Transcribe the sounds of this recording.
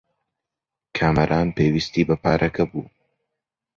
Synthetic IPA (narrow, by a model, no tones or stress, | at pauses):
kʰaːmɐɾʔaːnpeːwist̪iːbɐpaːɾʔɐkʰɐbuː